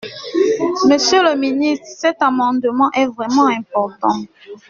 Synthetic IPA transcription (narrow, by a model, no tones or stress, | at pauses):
məsjələminist̪χsɛt̪amɑ̃d̪əmɑ̃ʔɛvʁɛmɑ̃ɛ̃pɔʁt̪ɑ̃